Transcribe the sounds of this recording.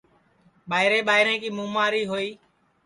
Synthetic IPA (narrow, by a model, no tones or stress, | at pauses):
ɓaːɪɾẽːɓaːɪɾẽːkiːmũːmaːɾiːɦoːiː